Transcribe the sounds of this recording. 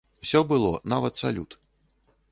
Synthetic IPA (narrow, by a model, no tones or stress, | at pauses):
wsʲɔbɨlˠɔnavɐt̪sa̰lʲut̪